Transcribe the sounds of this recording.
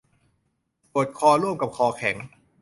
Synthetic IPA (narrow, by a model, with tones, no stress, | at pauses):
pu˨˩ət̪̚kʰɔː˧luː˥˩mka˨˩p̚kʰɔː˧kʰɛ˩˦ŋ